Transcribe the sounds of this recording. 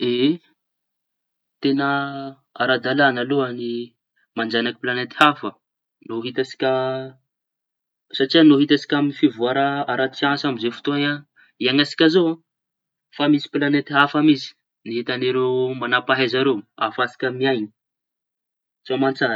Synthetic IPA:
e | t̪enə | aɾad̪alanaloani | mand͡ʒanaki̥planet̪i̥hafə | noɦit̪asi̥kʲə | saʈ͡ʂianoɦit̪asi̥kʲaminifivuaɾaaɾat̪t͡siãsamizefu̥t̪oɲa | iaŋasi̥kʲazoa | famisi̥planet̪iɦafamisi̥ | niɦit̪aniɾewmanapaɦezaɾewa̰fasi̥kʲəmiajni̥ | t͡soamant͡san

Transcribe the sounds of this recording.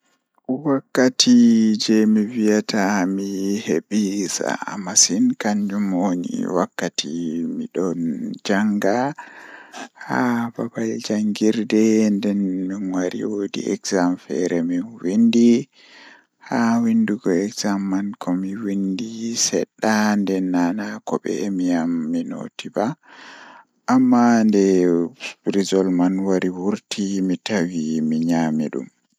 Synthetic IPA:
wakːatʰid͡ʒɛmiwijatʰamihebisa̰a̰mːasinkaɲd͡ʒumonḭwakːatʰimiɗɔnd͡ʒaŋɡa | hababald͡ʒaŋɡiɾdɛndɛnminwaɾḭwodḭɛkzamfɛ̰ɾɛminwindi | hawinduɡɔɛkz̥amːankʰɔmiwindisɛ̰ɗːandɛnːanakɔbɛ̰miamːino̰tiba | ʔamːandɛ | b̥ɾizɔlmanwaɾiwuɾtʰimitawimiɲaːmiɗṵm

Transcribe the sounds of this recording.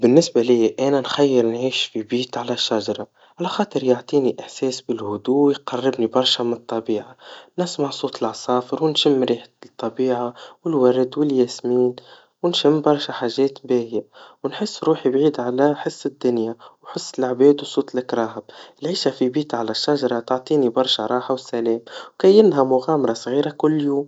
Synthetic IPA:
bɪnːɪsbaliːʔænænxæjːɪɾnʕiːʃfibiːt̪ʕalæʃːaʒɑɾˤɑ | ʕalæxɑːt̪ˤəɾjoʕt̪ˤiːniʔɪħsɛːsbɪlhʊd̪uːwjqɑrˤːɪbnibɑɾˤʃamɪnɨt̪ˤːɑbiːʕanɪsmaʕsˤuːt̪əlʕɑsˤɑːfɪɾwɪnʃɪmːɾiːħt̪ˤːɑbiːʕawɪlwæɾd̪wɪljæːsmiːn | wnʃɪmːbɑɾˤʃaħaːʒɛːt̪bɛːhjawnħɪsːɾuːħibʕiːd̪ʕalæħəsːɪd̪ːʊnjawħʊsːɪlʕbɛːd̪uwsˤuːt̪lɪkɾˤɑːɦɪb̚ɪlʕiːʃafibiːt̪ʕalæʃːaʒɑɾˤɑt̪ʕt̪ˤiːnibɑɾˤʃaɾˤɑːħawɪsːælɛːmwkæːjɪnɦamʊɣaːmɑɾˤɑsˤɣiːɾakʊlːjuːm

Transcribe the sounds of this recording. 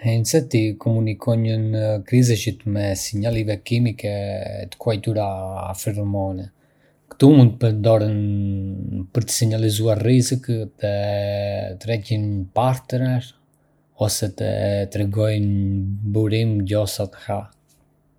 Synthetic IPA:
ɛnsɛt̪ikʰɔmunikʰɔɲənəkɾizɛʃit̪mɛsiɲalˠivɛkimikɛ̰t̪ə̥kuajt̪uɾa̰ːfiɾmɔnɛ | kə̥t̪umunt̪əpənd̪ɔɾən | pəɾt̪ə̥siɲalizuaɾrizikt̪ə | t̪ɾɛcinpaɾt̪nɛɾ | ɔsɛt̪ə̰t̪ɾɛɡɔjnbuɾimɟɔsat̪ə̥ha

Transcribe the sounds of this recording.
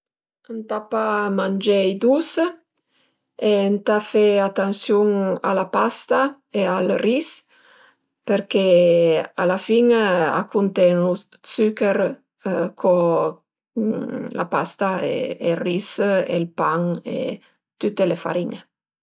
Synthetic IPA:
ənt̪apamand͡ʒejd̪us | ent̪afeat̪ansjuŋa̰lapast̪a | ealris | peɾke | a̰lafiŋa̰kunt̪enu | sykeɾ | kʰo | la̰past̪aḛerisḛlpaŋḛ | t̪yt̪elefa̰ɾiŋe

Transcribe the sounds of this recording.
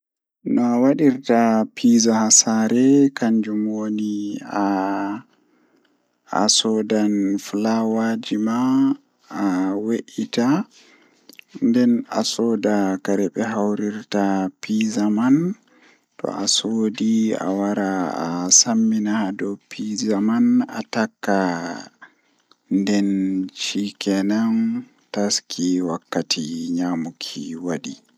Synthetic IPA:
nɔawaɗiɾtapʰizahasaɾɛkaɲd͡ʒumwonia | a̰sɔdanflawad͡ʒimaː | weʔita | ndɛna̰sɔːdakaɾɛɓɛɦawɾiɾtapizaman | tɔ̰ʔasodia̰waɾaa̰samːinadɔpʰizamana̰takːa | ndɛnt͡ʃikɛnan | taskʰiwakːatʰiɲamukʰḭwaɗi

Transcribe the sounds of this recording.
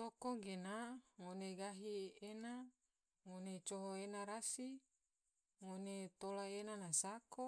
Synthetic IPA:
tokoɡenaŋoneɡaɦiena | ŋonet͡ʃoɦoenaɾasi | ŋonet̪olaenanasako

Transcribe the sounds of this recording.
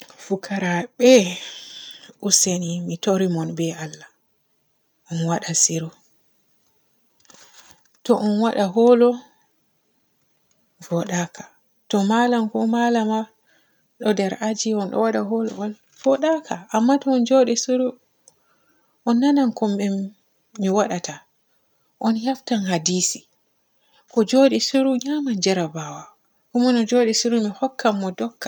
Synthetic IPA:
fukʰaɾaɓɛ | ʔusenimitoɾimɔnbɛalːa | ʔɔnwaɗasiɾu | tɔʔɔnwaɗaɦɔlɔ | vɔɗakʰḁ | tɔmalankɔmalama | ɗɔdɛɾʔad͡ʒiɔnɗɔ̰waɗaɦɔlɔ̰wal | v̥ɔɗakʰaʔamːatɔːnd͡ʒoːɗɛsuɾu | ʔɔnːanankɔmɛmː | iwaɗata | ʔɔnjaftanhadiːsi | kɔd͡ʒoɗɛsuɾuɲaːmand͡ʒɛɾabawa | kumɔnɔd͡ʒoɗɛsuɾumihɔkːamːɔdɔkːḁ

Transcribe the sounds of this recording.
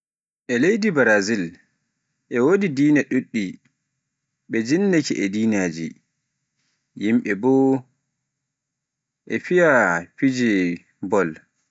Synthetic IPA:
ʔɛlejdibaɾazil | ʔɛwodidiːnaɗuɗːi | ɓɛd͡ʒinːekiʔɛdiːnaːd͡ʒḭ | jimɓɛbɔ | ʔɛfijafid͡ʒɛ | bɔl

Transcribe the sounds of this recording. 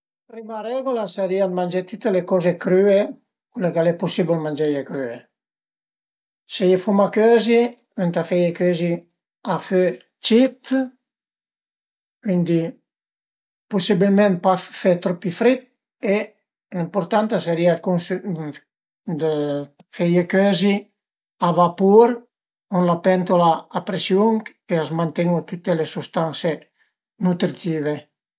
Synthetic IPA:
pɾimaɾɛɡolasaɾiad̪mand͡ʒet̪ut̪ːelekɔzekɾye | kulekalɛpusibelmand͡ʒejekɾye | sejefumakøzi | wɛnt̪afejekøzi | afø | t͡ʃit̪ | kwind̪i | pusibilmɛ̃npafet̪ɾɔpːifɾit̪̚ | e | limpoɾt̪ant̪aseɾiakuns | d̪ə | fejekøzi | avapuɾ | onlapɛnt̪olaːpɾesjuŋ | eazmant̪eŋot̪ut̪ːelesust̪anse | nut̪ɾit̪iːve

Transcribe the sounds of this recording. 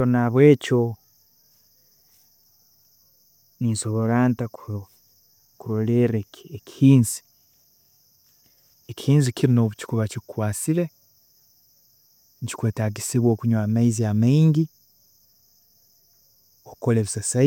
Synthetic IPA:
onaβwe̞ːco̞ | ninso̞βo̞laːntak | kuɾoleɾeeki̥hiːnzi̥ | ekʲihiːnzicʰiɾino̞βuci̥kuβacikwaːt͡siɾe̞ | ɲci̥kweːtaɡisiβwo̞ːkuɲwaːmaiziamaiɲɟi | okoleβisasa

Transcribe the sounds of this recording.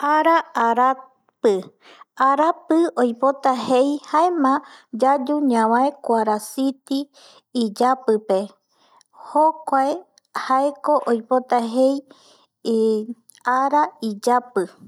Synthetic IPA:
aɾaaɾa | pɨ | aɾapɨojpo̞t̪ahejhaemãd͡ʒad͡ʒuɲãβãekʷaɾasit̪iː | d͡ʒapɨpe̞ | hokʷae | haeko̞ʔojpo̞t̪aɦe̞j | aɾaid͡ʒapɨ

